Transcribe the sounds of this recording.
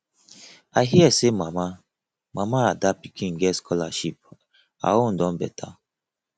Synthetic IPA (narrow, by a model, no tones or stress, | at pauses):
aɪɦiɛsemama | mamaadapikʰĩnŋ̩ɡɛtskʰɔlaʃip̚ | a̰won̩dɔ̃nbɛtʰa